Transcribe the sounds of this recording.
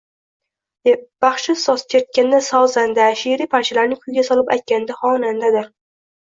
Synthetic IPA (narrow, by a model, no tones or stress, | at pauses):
b̥aχʃɪsɒskʲʰet̪̚kʲand̪asɒzand̪aʃeɾipʰant͡ʃʰɪlaɾnɪkʲʰʊjɡʲasɒlɪpa̰jt̪̚kʲand̪aχɒnand̪ad̪ɪɾ